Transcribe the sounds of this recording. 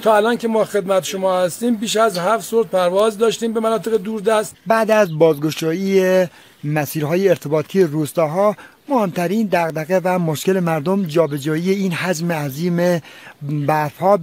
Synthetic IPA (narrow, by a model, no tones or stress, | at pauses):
t̪ʰɒːælɒːnkʰemɒːxe̞d̪mæt̪ʃomɒːhæst̪iːmbiːʃæzhæft̪soɾt̪̚pʰæɾvɒːzd̪ɒːʃt̪iːmbemænɒːt̪ʰeɣed̪uːɾd̪æst̪bæːd̪æzbɒːzɡoʃɒːiːe | mæsiːɾɦɒːjeːɾt̪ʰe̞bɒːt̪ʰijeruːst̪ɒːɦɒːmohemt̪ʰæɾiːnd̪æɣd̪æɣevæmoʃkele̞mæɾd̪omd͡ʒɒːbe̞d͡ʒɒːije̞iːnɦæd͡ʒmeæziːmebæfhɒː